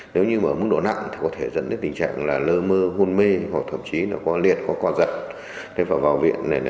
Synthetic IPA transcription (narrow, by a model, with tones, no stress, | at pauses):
ne˨˦wɲɨ˧maː˧˩mɨ˦˥ŋɗo̰˧˨na̰˧˨ŋt̪ʰi˨˩kɔ˨˦t̪ʰe˧˩zə̰˧˥nt̪əː˨˦t̪i˨˩ŋ̟t͡ɕa̰ː˧˨ŋlaː˨˩ləː˧məː˧ɦu˧nme˧ho˨˩t̪ʰə̰˧˨mt͡ɕi˨˦nɔː˨˩kɔ˨˦lḭ˨˩ət̚kɔ˨˦kɔ˧zə˨˩t̚ | ɗe˨˦vaː˨˩wvaː˨˩wvḭ˧˨ənːa˨˩j